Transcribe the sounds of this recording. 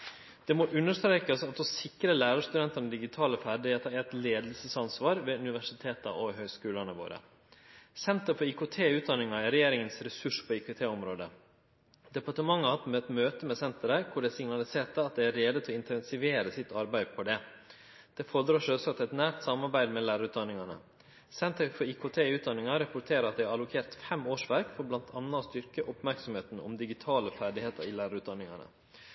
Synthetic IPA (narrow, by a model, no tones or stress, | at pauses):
d̪̥ɛmɔʔʉnːəʂt̪ɾeːkəsɑt̪ɔsɪkɾəlæːɾɑʂt̪ʉd̪ɛnt̪ɑnəd̪ɪɡɪt̪ʰɑːləfæɖɪet̪ʰɑɛt̪leːd̪əl̩səsɑnsʋɑːɾʋɛʉnɪʋæʂɪt̪ʰeːt̪ɑ̰ʔɔɦœʏskʉːləɑnəʋo̰ːɾə̰ | sɛnt̪əɾfɔɾikʊt̪ʰeːʉːt̪̚d̪ɑnɪŋɑɪɾɛjeːɾɪŋənsɾɛsʉʂpʰɔikʊt̪ʰeːɔmɾoːd̪ə | d̪ɛpɑʈəmɑŋːəhɑt̪mɛt̪møːt̪əmɛsɛnt̪əɾəkʰʊɖɛsɪŋnɑlɪseːʈəɑt̪̚d̪ɛæɾeːd̪ət̪ʰɪlɔɪnt̪ɛnsɪʋeːɾəsɪt̪ːʰɑɾbæɪpʰɔd̪ɛ | d̪̥ɛfɔɾd̪ɾɑːʂɔsɔɑt̪ʰɛt̪næːʈ̪sɑmɑɾbæɪd̪mɛlæːɾɑɾʉt̪d̪ɑnːɪŋɑnə̰ | sɛnt̪əɾfɔɾikʰoːt̪ʰeːʉːt̪d̪ɑnɪŋɑɾɑpʊʈ̪ʰeːɾəɾɑt̪̚d̪ɛæɾɑlʊkʰeːɾt̪fɛmoːʂʋæɾkfɔɾblɑnt̪ʰɑnːɑst̪ʏɾkəʔʊpmæɾksɔmheːt̪n̩ɔ̰md̪ɪɡɪt̪ʰɑːləfæɖɪheːt̪ʰəɾɪlæːɾɑɾʉːt̪̚d̪ɑnɪŋɑ̰nə̰